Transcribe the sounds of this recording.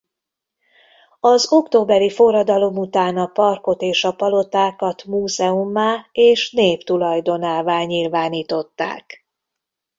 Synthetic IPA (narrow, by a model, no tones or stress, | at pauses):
ɒzo̞kt̪oːbɛɾifo̞rɒd̪ɒlo̞mut̪aːnɒpɒrko̞t̪eːʃɒpɒlo̞t̪aːkɒt̪muːzɛumːaːeːʃneːpt̪ulɒjd̪o̞naːvaːlɲilvaːniːt̪o̞t̪ːa̰ːk